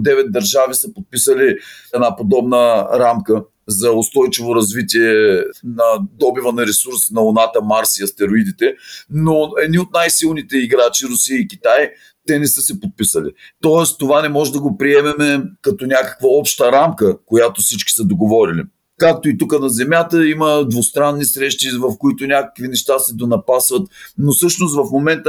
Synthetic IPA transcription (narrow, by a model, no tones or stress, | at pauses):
d̪ɛvɛt̪̚d̪ɐɾʒavisəpot̪̚pisəliɛd̪napod̪ɔbnəɾamkə | zɐost̪ɔjt͡ʃivoɾɐzvit̪iɛnɐd̪ɔbivənɐɾɛsuɾsnɐʊnat̪əmaɾsiɐst̪ɛɾoid̪it̪ɛnoɛd̪niot̪̚najsilˠnit̪ɛiɡɾat͡ʃiɾʊsiəikʲit̪aj | t̪ɛnɛsɤsɛpot̪̚pisəlḭt̪ɔɛst̪ovanɛmɔʒɛd̪ɐɡopɾiɛmɛmɛkɐt̪onʲakə̥kvəɔpʃt̪əɾamkəkojat̪osit͡ʃkʲi̥səd̪oɡovɔɾilḭ | kak̚t̪oit̪ukənɐzɛmʲjat̪əiməd̪vost̪ɾanːisɾɛʃt̪ivɐfkoit̪onʲakə̥kvinɛʃt̪asɛd̪onɐpasvɐt̪nosɤʃnost̪vɐfmomɛnt̪ə